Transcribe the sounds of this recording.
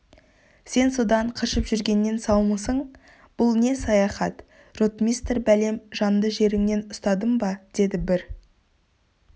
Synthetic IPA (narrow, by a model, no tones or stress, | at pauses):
se̞nso̞d̪ɑɴqʰəʃəpʒʏɾɡʲe̞nːe̞nsɑwməsəɴ | b̥ʊlˠne̞sɑjɑχɑt̪ | rot̪mʲijst̪rbæle̞mʒɑnd̪əʒe̞ɾɪŋne̞nʊst̪ɑd̪əmbɑd̪̥e̞d̪ɪbɪɾ